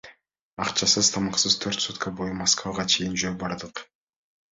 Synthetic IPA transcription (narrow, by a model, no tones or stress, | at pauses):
ɑqt͡ʃʰɑsɯzt̪ʰɑmɑqsɯz̥t̪ʰøɾt̪sut̪kʰɑbo̞jumaskvaʁɑt͡ʃʰe̞jɪnd͡ʒøːbɑɾd̪ɯq